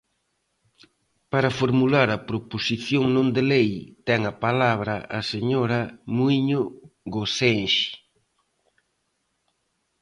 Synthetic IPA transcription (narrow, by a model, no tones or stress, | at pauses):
paɾɐfoɾmulaɾɐpɾoposiθjoŋnõnd̪elejt̪ɛŋɐpalaβɾɐʔɐseɲoɾɐmuiɲoɣosenʃi̥